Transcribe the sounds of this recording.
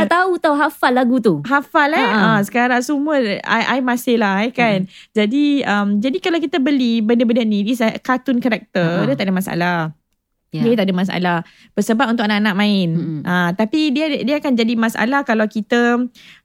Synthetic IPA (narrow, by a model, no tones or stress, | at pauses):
at̪aut̪auɦafalːaɡut̪uɦafalaasə̥kaɾaŋsuməa̰ʔajmãsɪhlaɦɛkand͡ʒadiəmd͡ʒadikalawkit̪əbəlibəndəbəndənĩdisakat̪ʊnkaɾɛk̚t̪ədət̪aʔadamasa̰lah | diət̪aʔdəmãs̬a̰la | b̥əsəbap̚unt̪ʊkanaʔanaʔ̚mãɪnʔat̪apididiəakand͡ʒadimãsa̰lahkalawkit̪ə